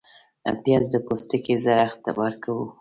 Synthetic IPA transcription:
a̰pjɑzd̪əpost̪əkezaɾaxt̪ːa̰bɑɾkawu

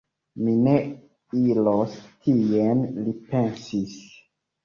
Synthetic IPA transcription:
mine̞ | ilostʰienlipe̞nsis

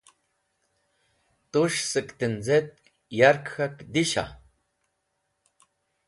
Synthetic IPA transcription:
t̪uʃsɨkʼt̪ɨnd͡zet̪̚ | jaɾkxakd̪iʃa̰

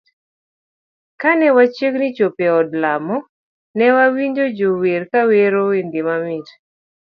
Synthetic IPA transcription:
kanɛwat͡ʃeknɪt͡ʃopeɔdlamɔ | nɛwawiɲd͡ʒod͡ʒoweɾkaweɾowendɪmamɪt

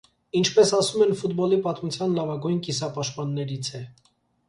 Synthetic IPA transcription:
int͡ʃʰpɛsɑsumɛnfut̪bɔlipɑt̪mut͡sʰjɑnlɑvɑɡujnkisɑpɑʃt̪̚pɑnːɛɾit͡sʰɛ

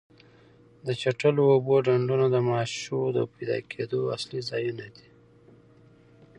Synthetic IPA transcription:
d̪ət͡ʃaʈəloːboɖaɳɖunod̪əmɑːʃod̪əpajd̪ɑ̰kʰed̪oa̰slizɑjunad̪i̥

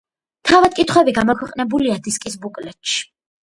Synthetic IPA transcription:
t̪ʰavad̪̚kʼit̪ʰχwɛbiɡamɔkʰwɛqʼnɛbuliad̪iskʼisbukʼlɛt̪ʃi̥

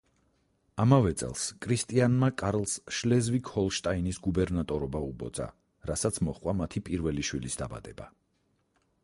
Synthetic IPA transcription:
amavɛt̪sʼɛ̰lˠskʼʰɾist̪ʼianmakʼaɾlˠsʃlɛzvikʰhɔlˠʃt̪ʼainisɡubɛɾnat̪ʼɔɾɔbaubɔ̰d̪za̰ | ɾasat̪sʰmɔχqʼwamat̪ʰipʼiɾvɛliʃwilisd̪aba̰d̪̥ɛba

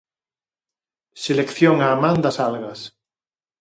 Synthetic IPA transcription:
selekθjoŋaːmãnd̪asalɣas

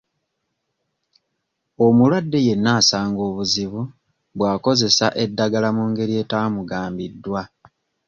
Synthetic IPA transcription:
omulwadːe̞je̞nːaːsaːŋɡo̞ːβuziβu | βwaːko̞ze̞saʔe̞dːaɡalamuːŋɡe̞ɾie̞taːmuɡaːmbidːwa

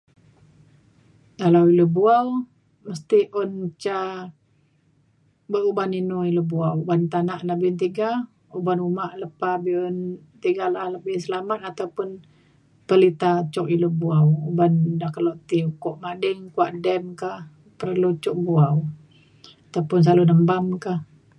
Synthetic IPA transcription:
kalawiləbuaw | məst̪iʔɔnt͡ʃa | bəubaninuiləbuawubant̪anaʔnabint̪̬iɡa | ubanumaʔləpabiun | t̪iɡalahləbɪhsəlamat̪̚at̪awpʊn | pəlit̪at͡ʃɔk̚ilubuawubandahkəloʔt̪iukɔʔmadəŋkuaʔdɛmkah | pərlut͡ʃʊk̚buaw | at̪awpʊns̬alunəmbamkah

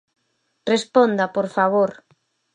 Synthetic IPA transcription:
respond̪apoɾfaβoɾ

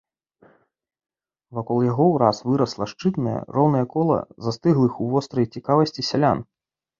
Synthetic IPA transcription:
vakɔlˠjaɣɔwɾasvɨɾɐslˠɐʂt͡ʂɨt̪nɐjɐ̰rɔwnɐjɐkɔlˠɐ̰zast̪ɨɣlˠɨxuvɔst̪ɾɐjt͡sʲikavɐsʲt͡sʲisʲalʲan

